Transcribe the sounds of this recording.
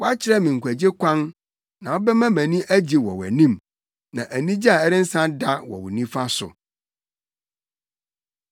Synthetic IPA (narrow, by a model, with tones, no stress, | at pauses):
wɔ˦a˦t͡ɕʰɪ˨ɾɛ˦mĩ˨ŋ̩˨kʷʰæ˨d͡ʑe˦kʰʷã˦n | nã˨wɔ˦bɛ˦mã˦mæ̃˨nĩ˦ʔæ˦d͡ʑi˨wɔ̰˨wæ̰˨nĩ˦m | nã̰˨ʔæ˨nĩ˦d͡ʑi˦a˨ɛ˦ɾɪ̃˦n̩˦sã˦da˦wɔ̰˨wʊ˨nĩ˦fa˦sʊ̰˨